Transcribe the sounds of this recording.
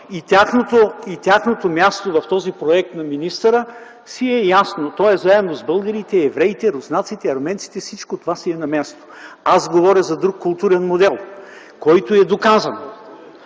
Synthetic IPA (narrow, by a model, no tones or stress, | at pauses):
it̪ʲjaxnot̪oit̪ʲjaxnot̪omʲast̪ovɐft̪ɔzipɾoɛk̚t̪nɐminist̪əɾə | siɛjasnot̪ɔɛzaɛnozbɤlˠɡəɾit̪ɛɛvɾɛjt̪ɛɾoznat̪sit̪ɛɐɾmɛnt̪si̥t̪ɛfsit͡ʃkot̪ovasiɛnɐmʲast̪o̥azɡovɔɾʲjəzɐd̪ɾukːʊlˠt̪uɾɛnmod̪ɛlˠ | kɔjt̪oɛd̪okazɐno